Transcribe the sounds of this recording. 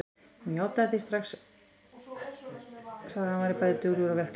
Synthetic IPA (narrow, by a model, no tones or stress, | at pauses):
mjaːwt̪aðθist̪ɾaxs | sθaðhanvaɾɪpajðɪt̪ʏɣɾʏɾavɛr̥k